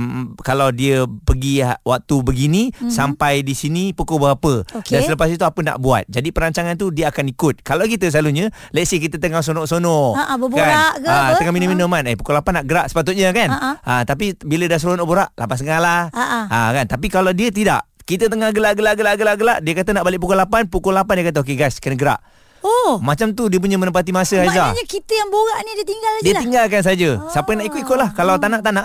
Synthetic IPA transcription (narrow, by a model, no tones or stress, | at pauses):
kalawdiəpəɡiwak̚t̪ubəɡinisampajdisinipukobəɦapəokdansələpas̬it̪uapəna̰ʔbua̰t̪̚d͡ʒadipəɾaɲt͡ʃaŋant̪̬udiəakanikʊt̪̚kalawk̬it̪əs̬laluɲə̃ | laʔsihkit̪ət̪əŋas̬onɔʔsonɔaʔbəbkaaʔat̪əŋaminũminomanepukolapanaʔɡəɾaʔsə̥pat̪̬ʊt̪̚ɲakanaat̪ap̬ibilədasɾonoʔboɾaʔla̰pansəŋalaaʔa̰kant̪ap̬ikalawdiət̪̬ida̰ʔkit̪ət̪əŋahɡəlaʔɡəlaʔɡəlaʔɡəlaʔɡəlaʔdiəkat̪ənaʔbalɪʔp̬ukulapanpukʊlapandiəkat̪̬aokeɡajskənəɡəɾa̰ʔ | omat͡ʃamt̪udiəp̬uɲəmənəpat̪̬imasəhazaɲakit̪əjaŋboɾaʔnidiət̪iŋɡaladiəiŋɡalkans̬ad͡ʒəsapəjnaʔikʊt̪ikʊt̪̚lahkalawt̪anaʔt̪anaʔ